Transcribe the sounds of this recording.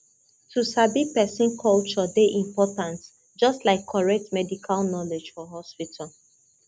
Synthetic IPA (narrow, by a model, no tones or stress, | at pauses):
tʰusabipɛsĩnkʰɔlt͡ʃɔdeʔĩmpɔtãnt | d͡ʒɔstlaɪkʰːɔɹɛk̚tmɛdikʰalnɔled͡ʒfɔɦɔspitʰal